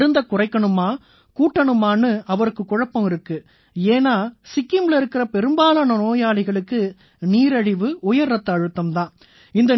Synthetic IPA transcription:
ɾɯnd̪ɐkʊrɐɪkːɐɳɯmaː | kuːʈːɐɳɯmaːnɯɐʋɐɾɯkːɯkːʊɻɐpːɐmɪɾɯkːɯ | eːnaːsɪkːɪmlɪɾɯkːɪɾɐpɛɾɯmbaːlɐːnɐnoːjaːlɐɪɣɐɭɯkːɯ | niːɾɐɻɪʋɯʊjɐɾːɐt̪ːɐɐɻɯt̪ːɐmt̪ãː | ɪnd̪ɐ

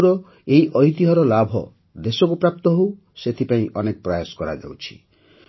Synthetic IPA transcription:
ɾɔ | eiʔɔɦit̪iɦɔɾɔlabʱɔ̰ | d̪esɔkupɾap̚t̪ɔɦow | set̪ʰipaĩʔɔnekɔpɾɔjasɔ̥kɔɾa̰d͡ʒa̰wt͡ʃʰi̥

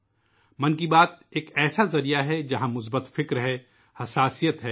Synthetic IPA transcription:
mɐnkibaːt̪̚eːkɛːsazɐɾijaɦɛd͡ʒɐɦãmʊs̬bət̪fɪkɾɦɛ | hɐsaːsijət̪ɦɛː

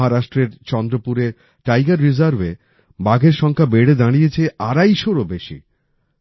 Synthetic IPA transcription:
ɦaɾaʃʈɾeɾt͡ɕɔnd̪ɾopuɾe | ʈajɡaɾːizaɾve | baɡʱeɾʃɔŋkʰabeɽed̪aɽ̃ijet͡ɕʰeʔaɾajʃoɾobeʃḭ

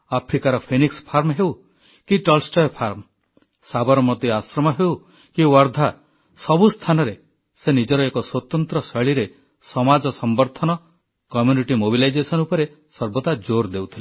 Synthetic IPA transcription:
apʰɾikaɾɔpʰenikspʰaɾmɦew | kiʈɔlsʈɔjɔpʰaɾm | sabɔɾɔmɔt̪iasɾɔmɔɦew | kiwɔɾd̪ʱa | sɔbust̪ʰanɔɾe | senid͡ʒɔɾɔekɔswɔt̪ɔnt̪ɾɔseɭiɾe | sɔmad͡ʒɔsɔmbɔɾt̪ʰɔnɔ | kɔmjuniʈimobilajd͡ʒesɔnupɔɾe | sɔɾbɔt̪ad͡ʒoɾd̪ewt̪ʰile

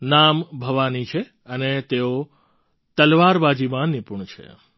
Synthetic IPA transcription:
nambʱəʋanit͡ʃʰe | ənet̪eo | t̪əlʋaɾbad͡ʒimãnɪpuɳt͡ʃʰḛ

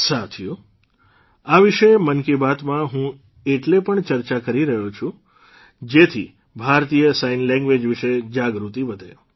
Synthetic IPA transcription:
sat̪ʰju | aʋiʃemənkibat̪mãɦũ | eʈlepəɳt͡ʃəɾt͡ʃakəɾiɾəɦot͡ʃʰũ | d͡ʒet̪ʰi | bʱaɾt̪ijəsainlɛ̃ŋɡʋed͡ʒʋiʃed͡ʒaɡɾut̪iʋəd̪ʱe

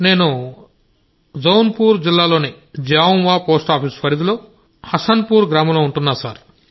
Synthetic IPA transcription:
ne̞ːnu | d͡ʒɐwnpuːɾd͡ʒilːaːloːni | d͡ʒaːwunʋaːpo̞ːsʈaːpʰispɐɾid̪ulo̞ː | hɐsɐnpuːɾɡɾaːmɐloːuɳʈunːaːsaːɾ

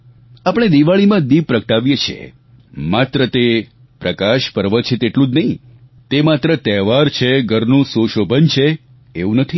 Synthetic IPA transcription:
apəɽ̃ed̪iʋaɭimãd̪ib̚pɾəkʈaʋjet͡ʃʰiḛ | mat̪ɾət̪e | pɾəkaʃpəɾʋət͡ʃʰet̪eʈlũd͡ʒnəɦĩ | t̪emat̪ɾət̪ɛʋaɾt͡ʃʰeɡʱəɾnũsoʃobʱənt͡ʃʰe | eʋũnət̪ʰi

